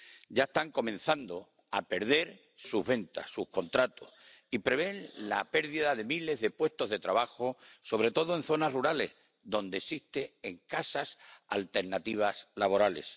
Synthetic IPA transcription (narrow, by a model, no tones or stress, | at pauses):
ɟ͡ʝaest̪aŋko̞mẽ̞n̟θand̪o | ape̞ɾð̞e̞ɾ | suɦβe̞nt̪a̰ssuhko̞nt̪ɾat̪oh | ipɾe̞β̞e̞nla̰pe̞ɾðiðaðe̞mile̞zðe̞pwe̞st̪oɦðe̞t̪ɾaβaxoso̞β̞ɾe̞t̪o̞ðoẽ̞n̟θo̞naruɾale̞̰h | ðõ̞nd̪eːsiht̪eːŋkasasa̰lt̪e̞ɾnat̪iβ̞aslaβo̞ɾale̞̰s